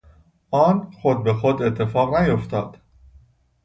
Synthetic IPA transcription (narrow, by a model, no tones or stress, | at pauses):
ʔɒːnxod̪̚be̞xod̪e̞t̪ʰːe̞fɒːɣnæjoft̪ʰɒːd̪̥